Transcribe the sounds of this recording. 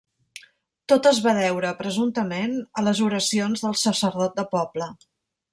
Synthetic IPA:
t̪ot̪əzβaðɛwɾəpɾəzunt̪əmenələzuɾəsionzðəlˠsəsəɾðɔt̪̚d̪əpɔblə

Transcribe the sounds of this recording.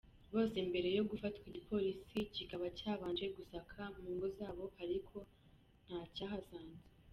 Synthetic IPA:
βo̞ːsembe̞ɾe̞jo̞ɡufatkwiɟipʰo̞ɾisicikaβacaːβaːɲd͡ʒeɡusakʰamuːŋɡozaːβo̞haɾikʰo̞ | n̥hacaɦazaːnze

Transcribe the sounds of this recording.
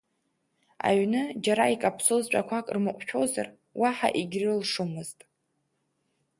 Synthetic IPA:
a̰ɥnɨd͡ʒaɾaikʼapʰsozt͡ʃʷʼakʷʰakʼrmɨqʷʼʃᶣʰo̞wza̰r | waħa̰ʔiɡʲrɨlʂumɨztʼ

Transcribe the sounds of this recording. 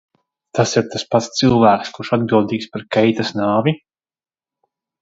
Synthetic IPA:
t̪asiɾt̪aspat̪st̪sɨlˠvæːkskuʃad̪̚ɡɾuld̪iːkspaɾkɛjt̪asnaːvi

